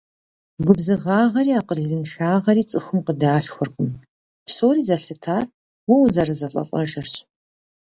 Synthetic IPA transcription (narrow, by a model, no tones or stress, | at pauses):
ɡʷʊbzɨʁɑːʁɐɾiːaːqərɮɨnʃaːʁɐɾiːt͡sʼɨxʊmqədaːɬxʷʊrkʷʼʊm | psoːriːzɐɬɨtʰaːr | wɐwzɐrɐzɐfʼɐ̰pʷʼɔ̰ʃɐrɕʼ